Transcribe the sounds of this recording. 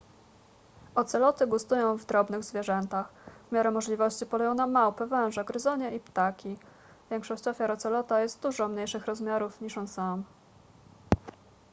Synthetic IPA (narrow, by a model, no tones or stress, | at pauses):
ɔt̪sɛlɔt̪ɘɡust̪ujɔ̃w̃vd̪ɾɔbnɘɣzvʲjeʐɛnt̪axvmʲjaɾɛmɔʐlʲivɔɕt͡ɕipɔlɛjɔ̃w̃namːawpɛvɛw̃ʐɛɡɾɘzɔɲɛipt̪akʲi | vʲjɛŋkʂɔɕt͡ɕɔfʲjaɾɔt̪sɛlɔt̪ajɛst̪̚d̪uʐɔmɲejʂɘxɾɔzmʲjaɾufɲiʂɔnsam